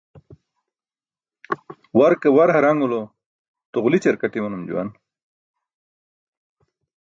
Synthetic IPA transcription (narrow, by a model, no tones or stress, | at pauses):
waɾkawaɾɦɐɾaŋulo | t̪uʁlit͡ɕeɾkaʈimɐnumd͡ʑṵwa̰n